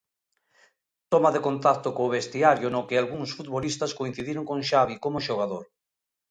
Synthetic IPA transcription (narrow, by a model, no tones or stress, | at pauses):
t̪omaðekont̪at̪okoːβest̪iaɾjonokealɣuŋsfut̪βolist̪askoin̟θiðiɾoŋkoŋʃaβikomoʃoɣ̞aðoɾ